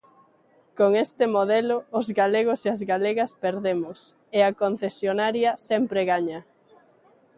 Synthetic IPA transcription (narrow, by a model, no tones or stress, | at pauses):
koŋest̪ɪmoðɛlʊːzɣaleɣ̞ʊseɐzɣaleɣɐspeɾðemʊs | eɐkon̟θesjonaɾjɐsɛmpɾeɣaɲɐ